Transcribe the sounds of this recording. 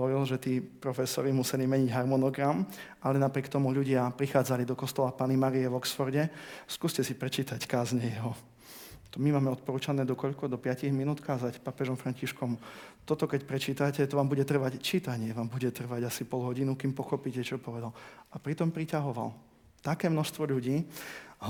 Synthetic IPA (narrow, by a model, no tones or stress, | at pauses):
ɦɔɔɾilʒɛt̪iːpɾɔfɛsɔɾimusɛlimɛɲiɟɦaɾmɔnɔɡɾam | alɛnapɾɪɛkt̪ɔmuʎuɟɪapɾixaːd͡zalid̪ɔkɔst̪ɔlapaːnimaɾijɛʋɔksfɔɾɟɛskuːscɛsipɾɛt͡ʃiːt̪ackaːzɲɛjɛɦɔ | t̪ɔmimaːmɛɔt̪̚pɔɾuːt͡ʃanɛːd̪ɔkɔʎkɔd̪ɔpɪaciɣminuːt̪kaːzacpapɛʒɔmfɾaɲciʃkɔmt̪ɔt̪ɔkɛcpɾɛt͡ʃiːt̪acɛt̪ɔʋaːmbuɟɛt̪r̩ʋact͡ʃiːt̪aɲɪɛʋaːmbuɟɛt̪r̩ʋaɟasipɔlɦɔɟinukimpɔxɔpicɛt͡ʃɔpɔʋɛd̪alʔapɾit̪ɔmpɾicaɦɔʋa̰l | t̪akɛːmnɔʃst̪ʋɔʎuɟiː